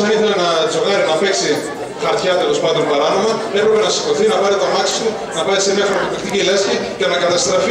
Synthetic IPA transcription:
ɐniθe̞lenɐd͡zo̞ɣɐɾinɐpe̞ksi | xɐɾt̪çɐt̪uelo̞spɐnd̪o̞npɐɾɐno̞mɐepɾe̞pe̞nɐsi̥koθinɐpɐɾit̪ɐmɐksi̥st̪u | nɐpɐɾisemiɐxɾopopikt̪icilesçicenɐkɐt̪ɐst̪ɾɐfi

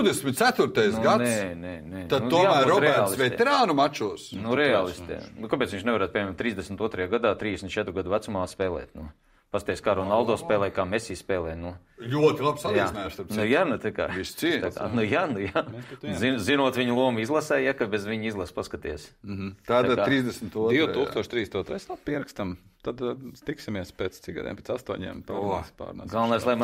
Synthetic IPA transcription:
wd̪esmit̪t̪sæt̪uɾt̪ajsnɡanɛsnɛnɛt̪ad̪nutuɔamæːɾɔɾɛɛaːlsˠisvɛ̰ɛɾaːnumat͡ʃusnuɾɛaːlˠist̪ɛ̰nukapeːt̪sʋiɲt͡ʃnɛʋaɾaːt̪pʲiɛɲʲɛmt̪ːɾiːzd̪esm̩ʲt̪uɔt̪ɾɐjaːɡad̪aːt̪ɾiːd̪esm̩nt̪t͡ʃɛt̪ɾuɡad̪uʋæt̪sumaːspɛːlˠɛ̰ːt̪nu | past̪ɛskaɾoːnalˠd̪ɔːspɛːlˠɛːjkaːmɛsiːspɛːlˠɛːnu | lʲuɔt̪ilˠapsat̪asnajʃst̪aɾnujaːnut̪aka̰ːʋissiaka̰nujaːnujanzinzinuɔt̪ʋʲiɲlˠuɔmizlˠasɛjjakabezʋiɲizlˠaspaskat̪iɛs̩t̪aːd̪aɾiːzd̪esm̩t̪uɔd̪iwt̪uːkst̪uɔʃt̪ɾiːesnuɔt̪ɾasnapʲiɛɾakst̪amt̪ad̪st̪iksʲimiɛspʲɛːt̪st̪siɡa̰d̪ḭmpʲɛːtsast̪uɔɲḭɛmpa̰ːspa̰ːɾna̰ɡalˠnajslˠajm

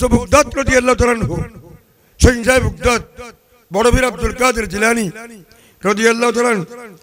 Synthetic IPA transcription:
sobʱuk̚d̪at̪ɾəd̪ijɐlːaɦut̪alanɦo | sə̃nsajbʱuk̚d̪at̪̚ | bɔɽobiɾɐb̚d̪ulkaːd̪ɐɾd͡ʒilaːni | ɾəd̪ijɐlːaːɦut̪aːlan

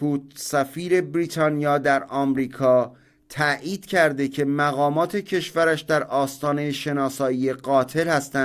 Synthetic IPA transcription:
uːt̪sæfiːɾe̞bɾiːt̪ʰɒːnijɒːd̪æɾɒːmɾiːkʰɒː | t̪ʰæʔiːd̪̥̚cʰæɾd̪e̞cʰe̞mæɣɒːmɒːt̪ʰe̞cʰe̞ʃvæɾæʃd̪æɾʔɒːst̪ɒːne̞jeʃe̞nɒːsɒːije̞ɢɒːt̪ʰe̞lhæst̪æn

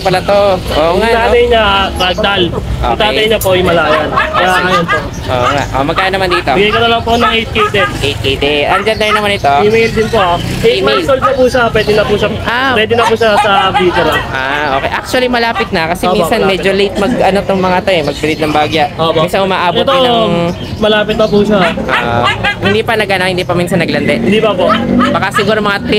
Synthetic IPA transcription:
pɐlɐt̪oʔoːʔŋanaːnɐjɲɐbɐɡ̚d̪alʔo̰ːkt̪aːt̪ɐjɲɐpoʔɐjmɐlaːjɐnkɐjaajonpo | ʔo̰ːʔŋa̰ʔʔomɐɡkːaːnɐmand̪iːt̪oɡɐkɐnɐlɐwpɐnɐŋʔejt̪̚kejt̪ɛd̪ʔejt̪̚kejd̪ɛʔɐnɡand̪ɐɾnɐmanɪt̪o̞imejld̪ɪnpoaiimejlsolɐpuʃapwɛːd̪ɪnɐpuʃɐʔapwɛːd̪ɛnɐpuʃasɐbit̪ɛɾɐnʔaʔoːkeɛ̰jʔak̚t͡ʃʊɐlimɐlaːpɪt̪̚nɐkɐsɛinsɐnmɛːd͡ʒolejt̪̚mɐɡ̚ʔɐnot̪oŋmɐŋaʔt̪oɛmɐɡ̚bɪɾit̪nɐŋbaːɡjaʔopominsɐnʔʊmaʔaːb̪ot̪ | mɐlaːpɪt̪̚nɐpuʃaʔohɪnd̪ipɐnɐɡʔanɐk̚hɪnd̪iːpɐminsɐnɐɡlɐnd̪ɛʔɪnd̪ipɐpobɐkasɪɡuːɾomɐŋat̪ɾi

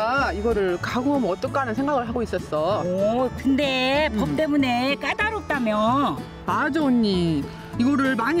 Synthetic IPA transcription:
aiɡʌɾɯɭkaɡuŋɦʌmʌt͈ʌk͈anɯnsʰe̞ŋɡaɡɯɭɦaɡois͈ʌs͈ʌkɯnde̞pʌp̚t͈e̞mune̞k͈adaɾop̚t͈amjʌ | ad͡ʑoːɲːi | iɡʌɾɯɭmaɲ

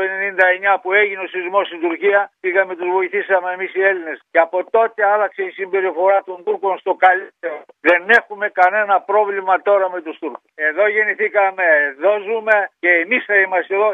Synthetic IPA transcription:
penenind̪ɐeɲɐpue̞ʝineo̞sizmo̞st̪ind̪uɾciɐpiɣɐme̞t̪uzvo̞iθisɐme̞ːmisie̞line̞sceɐpo̞t̪o̞t̪e̞ɐlɐkse̞isimbe̞ɾifo̞ɾɐt̪o̞nd̪uɾko̞nst̪o̞kɐlit̪eɾo | ðe̞ne̞xume̞kɐne̞nɐpɾo̞vlimɐt̪o̞ɾɐme̞t̪ust̪uɾkuse̞ðo̞ʝe̞niθikɐme̞ðo̞zume̞ce̞ːmisθɐimɐst̪e̞ðo̞

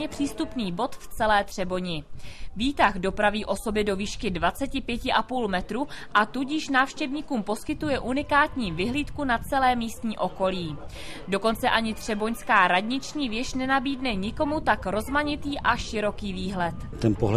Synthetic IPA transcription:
ɲɛpr̥iːst̪upniːbo̞t̪ft͡sɛlɛːt̪r̝̥ɛbo̞ɲɪviːt̪axdo̞pɾaviːʔo̞so̞bɪdo̞viːʃkɪdvat͡sɛcɪpjɛcɪʔapuːlmɛt̪ɾuʔat̪uɟɪʃnaːfʃcɛvɲiːkuːmpo̞skɪt̪ujɛʔunɪkaːt̪ɲiːvɪɦliːt̪kunat͡sɛlɛːmiːst̪ɲiːʔo̞ko̞liːdo̞ko̞nt͡sɛʔaɲɪt̪r̝̥ɛbo̞ɲskaːɾadɲɪt͡ʃɲiːvjɛʃnɛnabiːdnɛɲɪko̞mut̪akɾo̞zmaɲɪt̪iːʔaʃɪɾo̞kiːviːɦlɛt̪t̪ɛnpoɦl

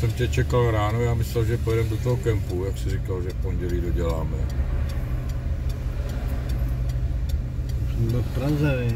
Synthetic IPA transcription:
sɛmcɛt͡ʃɛkalɾaːnojaːmɪslɛlʒɛpojɛdɛmdo̞t̪oɦokɛmpujaksɪrɪkalʒɛfpo̞nɟɛliːdo̞ɟɛlaːmɛ | sɛmblfpɾazɛɪ

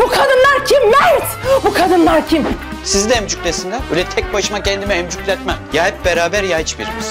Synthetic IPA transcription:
bukʰad̪ɯnlˠaɾcʰimnɛsbukʰad̪ɯnlˠaɾcʰim | sizd̪ɛɛmd͡ʒycʲlʲesind̪ɛy̰lʲɛt̪ʰɛc̚baʃɯmacʰɛnd̪imɛɛmd͡ʒycʲlʲɛt̪mɛmjaːjɯp̚beɾaːbæɾjajt͡ʃbḭɾimiz̥

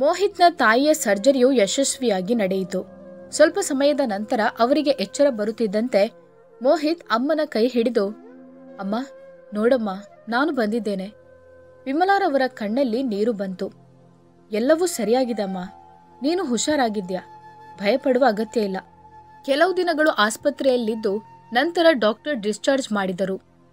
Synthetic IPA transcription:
moːɦit̪nɐt̪aːjijɐsɐɾd͡ʒɐɾijujɛʃɐsʋijaːɡinɐɽejit̪ːusʋɐlpɐsɐmɐjɐd̪ɐnɐnt̪ɐɾɐʔɐʋɐɾiɡe̞ʔɛt͡ʃːɐɾɐbɐɾut̪ːid̪ːɐnt̪e̞ | moːɦit̪ɐmːɐnɐkɐjɦiɽid̪u | ɐmːaː | nɔːɽɐmːaːnaːnubɐnd̪id̪ːe̞ːne̞ | pimɐlaːɾɐʋɐɾɐkɐɳːɐlːiniːɾubɐnt̪u | ɛlːɐʋuːsɐɾijaːɡid̪eɐmːaː | niːnuɦuʃaːɾaːɡid̪jɐbʱɐjɐpɐɽuʋɐːɡɐt̪jɐilːɐ | kɛlɐʋud̪inɐɡɐɭuʔaːspɐt̪ɾɛjɐlːid̪ːunɐnt̪ɐɾɐɖaːk̚ʈɐɾɖist͡ʃaːɾd͡ʒmaːɽid̪ɐɾu

